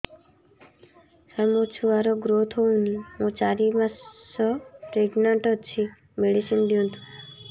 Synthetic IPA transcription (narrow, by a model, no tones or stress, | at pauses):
samot͡ʃʰuaɾɔɡɾot̪ʰɦoũniɦũt͡ʃaɾimasɔpɾeɡnaɳʈɔt͡ʃʰi | meɽisinɖiũt̪ʰu̥